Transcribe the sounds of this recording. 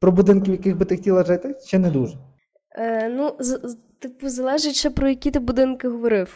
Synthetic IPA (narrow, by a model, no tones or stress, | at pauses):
pɾɔbud̪ɪnkʲɪwjɐkɪɣbɪt̪ɪxtʲilˠɐʒɪt̪ɪʃt͡ʃɛnɛd̪uʒɛ | nuz | t̪ɪpzɐlˠɛʒɪtʲʃɛpɾɔjɐkʲit̪ɪbʊd̪ɪnkɪɦɔʋɔɾɪw